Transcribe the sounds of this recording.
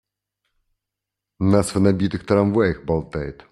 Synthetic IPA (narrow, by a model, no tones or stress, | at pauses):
nasʋenɐbʲit̪ɪxt̪ɾɐmʋɛjɪxbɐlˠt̪ɛjt̪